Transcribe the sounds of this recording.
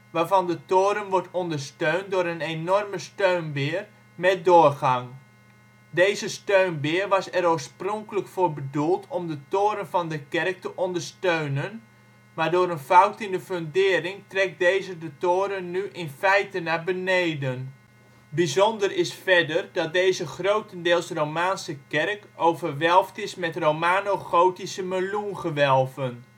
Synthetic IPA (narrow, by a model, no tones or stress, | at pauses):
ʋaːɹvɑndətoːɾənʋɔɹtɔndərstøɥntdoːɾənenɔrməstøɥnbɪːr | mɛt̚doːrɣɑŋ | dejzəstøɥnbɪːrʋɑsɛɾoːɹsprɔŋkələkfʊːɹbədulˠtʰɔmdətoːɾənfɑndəkɛrk̚təʔɔndəɹstøɥnən | maːɹdoːɾənfawtɪndəføndɪːrɪŋtrɛk̚dejzədətoːɾənːyʔɪnfɛjtənaːɹbənejdən | bizɔndərɪsfɛdərdɑt̚dejzəχrowtəndɪːlˠsromaːnsəkɛrkowvərʋɛlˠftɪsmɛtrowmaːnowχowtisəməlunχəʋɛlˠvən